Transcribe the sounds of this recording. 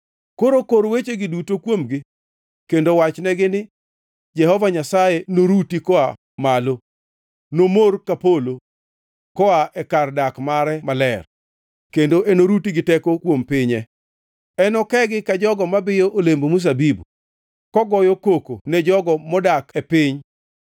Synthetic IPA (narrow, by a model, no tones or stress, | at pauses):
koɾokoɾwet͡ʃeɡɪdutokwomɡɪ | kendowat͡ʃnɛɡɪnɪ | d͡ʒɛhɔvaɲasajenoɾutikɔa | malo | nomorkapolo | kɔaʔɛkardakmaɾɛmalɛr | kendoʔɛnoɾutiɡɪtɛkokwompɪɲɛ | ɛnɔkɛɡɪkad͡ʒɔɡɔmabɪjoʔolembomus̬abibṵ | kɔɡɔjɔkoko̰nɛd͡ʒɔɡɔmɔdakɛpɪɲ